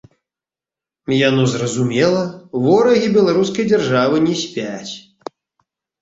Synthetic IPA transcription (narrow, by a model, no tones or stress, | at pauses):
janɔzrɐzumʲɛlˠɐvɔɾɐɣʲibʲɛlˠaɾuskɐjd͡zʲarʐavɨnʲɛsʲpʲat͡sʲ